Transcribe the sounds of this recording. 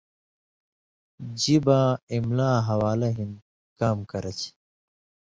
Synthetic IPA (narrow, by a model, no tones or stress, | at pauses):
d͡ʑibãːimlaːɦɐwaːlɐɦin | kaːmkɐɾɐt͡ɕʰ